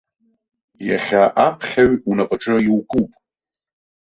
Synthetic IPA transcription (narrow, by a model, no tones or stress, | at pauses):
ja̰χʲaʔapʰχʲaɥunapʼaʈ͡ʂʼɨiwkʼupʼ